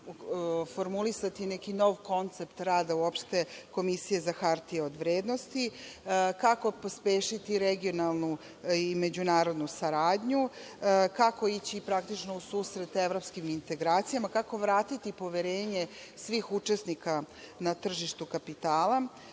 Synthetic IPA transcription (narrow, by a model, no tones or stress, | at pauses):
foɾmulisat̪inekino̞ʋko̞nt̪se̞pt̪ɾaːd̪auopʃt̪e̞ko̞misije̞zaxaɾt̪ieod̪ʋɾeːd̪nost̪i | kako̞pospeːʃit̪iɾeɡio̞nalˠnu | ime̞d͡ʑunaːɾo̞d̪nusaɾaːd̪ɲu | kako̞it͡ɕipɾakt̪it͡ʃno̞usuːsɾe̞t̪eʋɾo̞pskimint̪e̞ɡɾaːt̪sijamakako̞ʋɾaːt̪it̪ipo̞ʋeɾeːɲe̞ | sʋixut͡ʂesnika | nat̪r̩ʒiʃt̪ukapit̪aːla